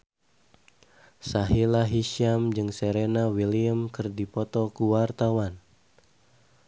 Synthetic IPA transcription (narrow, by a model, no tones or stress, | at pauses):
saɦilaɦiʃiamd͡ʒɨŋseɾenawiliəmkɨrdipɔt̪ɔkuwart̪awan